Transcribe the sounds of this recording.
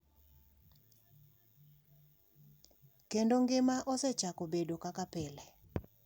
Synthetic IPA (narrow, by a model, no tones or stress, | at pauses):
kendoŋɡɪmaʔɔsɛt͡ʃakobedokakapelɛ